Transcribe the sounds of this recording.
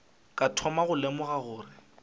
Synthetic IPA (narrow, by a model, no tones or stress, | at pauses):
kʼatʰɔmaɣʊlemʊɣaɣʊːrɪ